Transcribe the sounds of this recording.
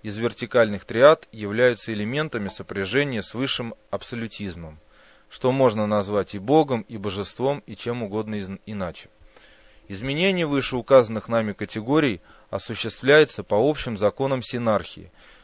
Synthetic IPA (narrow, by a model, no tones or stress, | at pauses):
ɪzvʲɪrtʲɪkalʲnɨxt̪ɾʲɪat̪jɪvlʲæjʊt̪səɪlʲɪmʲe̞nt̪əmʲɪsəpɾʲɪʐɛnʲɪjəsvɨʂːɨmɐpsəlʲʊtʲizməm | ʂt̪o̞mo̞ʐnənɐzvatʲɪbo̞ɡəmibəʐɨst̪vo̞mit͡ɕe̞mʊɡo̞d̪nəɪnat͡ɕɪ̥ | ɪzmʲɪnʲenʲɪjəvɨʂɨʊkazənːɨxnamʲɪkətʲɪɡo̞ɾʲɪj | ɐsʊɕːɪst̪vlʲæjʊt̪səpɐo̞pɕːɪmzɐko̞nəmsʲɪnarxʲɪ̰ɪ̰